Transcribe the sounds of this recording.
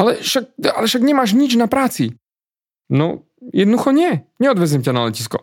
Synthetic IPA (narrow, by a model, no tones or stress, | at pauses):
ʔalɛʃak̚alɛfʃakɲɛmaːʃ̬ɲit͡ʃnapɾaːt͡si | no̰ | jɛd̪nuxoɲɛɲɛod̪vɛzimcɛnalɛcisko̰